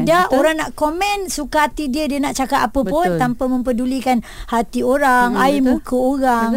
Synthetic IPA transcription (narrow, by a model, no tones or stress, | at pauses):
daʔoɾaŋnaʔkomɛ̃nsukaɦat̪idiədiənaʔt͡ʃakat̪apəpʊnt̪ampamə̃mpədulikanhat̪ioɾaŋaimũkəoɣaŋ